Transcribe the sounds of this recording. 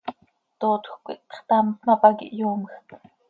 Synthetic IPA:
t̪oːt̪xʷkʷḭt̪̚χt̪ɑmt̪nɑpɑkḭʔjuːməxt̪

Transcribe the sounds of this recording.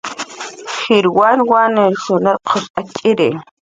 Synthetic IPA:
χiɾwanwaneɾsonaɾqʰoʃakʼiɾe

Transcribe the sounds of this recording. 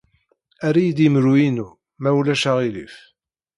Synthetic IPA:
æɾijd̪imɾuinu | mæwlæʃaʁilḭf

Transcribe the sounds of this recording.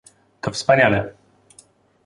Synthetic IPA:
t̪ɔfspaɲalɛ

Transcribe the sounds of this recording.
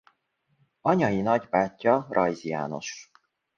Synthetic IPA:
ɒɲɒjinɒɟbaːcʲːɒɾʔɒjzija̰ːno̞̰ʃ

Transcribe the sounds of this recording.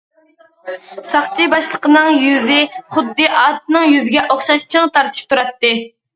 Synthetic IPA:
sɑχt͡ʃʰibɑʃlˠəqənɨŋjyzɪχʊd̪ːɨʔɑt̪̚nɨŋjyzɪɡʲɛʔoχʃɑʃt͡ʃʰɨŋt̪ʰɑɾt̪ʰɨ̥ʃp̚t̪ʰuɾɑt̪ːɨ

